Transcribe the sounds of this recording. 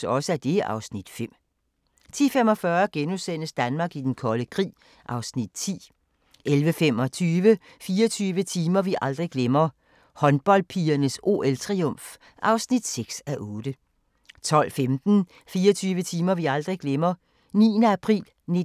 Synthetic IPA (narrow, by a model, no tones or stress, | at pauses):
ɒ̽səæd̥e̝ʔɑ̈ʊsnid̥fem̰ | t͡sʰḭːfem̰ɒ̽fɶːɐɡ̥enusen̰əsd̥ænmɑ̈ːɡ̥id̥enkʰɒ̽ləkʰʁḭː | ʔɑ̈ʊsnid̥̚t͡sʰḭː | ʔelʋəfem̰ɒ̽t͡sʰyːʋə | fiːɒt͡sʰyːʋət͡sʰiːmɐʋiʔɑ̈ld̥ʁiɡ̥lemɐ | hɒ̽nb̥ɒ̽l̰d̥̚pʰiːɐnəso̝̰ːelt͡sʰʁiɔm̰f | ʔɑ̈ʊsnid̥seɡ̥sæʔɔ̽ːd̥ə | t͡sʰɒ̽l̰femd̥n̩ | fiːɐt͡sʰyːʋət͡sʰiːmɐʋiɑ̈ld̥ʁiɡ̥lemɐ | nḭːənəæpʰʁḭːl | ne